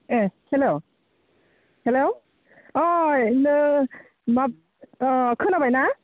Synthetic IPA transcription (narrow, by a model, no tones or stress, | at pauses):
ehelo | helo | ɔjnɯ | map̚ | kʰɯnabajna